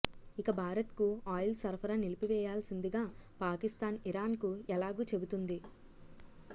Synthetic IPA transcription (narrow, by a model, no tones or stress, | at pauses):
ikɐbʱaːɾɐt̪kuaːjlsɐɾpʰɐɾɐnilipiʋɛːjaːlɐsind̪iɡaːpaːkist̪aːniɾaːnkuɛlaːɡuːt͡ʃe̞but̪und̪i